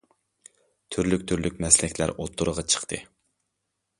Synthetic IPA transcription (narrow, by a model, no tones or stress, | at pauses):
t̪ʰyɾlykʲt̪ʰyɾlykʲmɛslɪkʲlæ̰ɾot̪ʰːʊɾəʁɑt͡ʃʰə̥qt̪ʰɨ̰